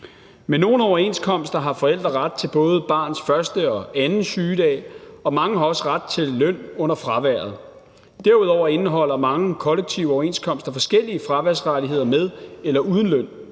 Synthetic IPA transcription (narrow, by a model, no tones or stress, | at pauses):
menːo̝ːn̩ɒʊɐe̝nskʰɒ̽m̰sd̥ɐɦɑ̈fɒ̽el̰d̥ʁɐʁad̥̚t͡sʰe̝lb̥ɔ̽ːð̞̩ˠb̥ɑ̰̈ːnsfɶɐsd̥əɒ̽ænn̩syːd̥ɛ̰ːɒ̽mɑ̈ŋəɦɑ̈ɒ̽səʁad̥̚t͡sʰe̝lːøn̰ɔ̽n̰ɐfʁɑ̈ʋæɐ̰ð̞̩ˠ | d̥æɐuð̞ˠɒʊ̰ɐe̝nɦɒ̽l̰ɐmɑ̈ŋəkʰɒ̽leɡ̥̚t͡sʰiʊ̰ɒʊɐe̝ːnskʰɒ̽m̰sd̥ɐfɒ̽sɡ̥el̰iəfʁɑ̈ʋæɐ̰sʁadie̝ð̞̰ˠɐmeð̞ˠelɐʔuð̞ˠn̩løn̰